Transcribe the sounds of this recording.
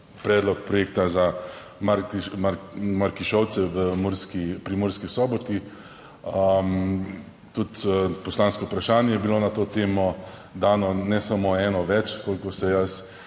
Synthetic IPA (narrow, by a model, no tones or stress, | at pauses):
pɾɛːd̪lɔk̚pɾɔjeːkt̪aza | maɾmaɾmaɾkiʃɔwt̪sɛʋəmoɾskipɾimoːɾskisɔːbɔt̪i | əm | t̪ut̪pɔslanskɔupɾaʃaːnjɛjɛbilonat̪oːt̪eːmɔ | d̪aːnɔnɛsamoɛːnɔʋɛt͡ʃkoːlkosɛjas